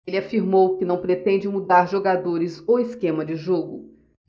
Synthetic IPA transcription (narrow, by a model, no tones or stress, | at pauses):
lɪafiɾmowkɪnɐ̃w̃pɾet̪ẽd͡ʒɪmud̪aɾʒoɡad̪oɾɪzowɪskẽmɐd͡ʒɪʒoɡʊ